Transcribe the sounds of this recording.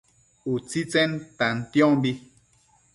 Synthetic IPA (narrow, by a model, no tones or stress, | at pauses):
ut͡sit͡sɛnt̪ant̪jɔ̃mbi